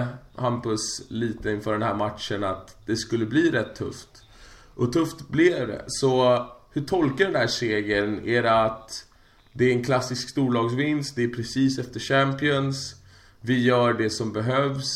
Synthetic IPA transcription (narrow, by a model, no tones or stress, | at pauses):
hampɵsliːt̪əɪnfœːɖɛnhæːɾmat̪ʂənat̪d̪̥ɛskɵlːəbliːɾɛt̪ʰːɵ̰ft̪ | ʔɔt̪ʰɵft̪blɪvd̪ɛ̰sɔhɵʈʰɔlkəɖɛndæːʂeːɡənæɾat̪ | d̪ɛæɾɛnkʰlasːɪskst̪uːɭɑːɡsvɪnst̪̚d̪ɛːɾpʰɾɛsiːsɛft̪əʂæmpɪɔns | vɪjœːɖɛsɔmbɛɦœvs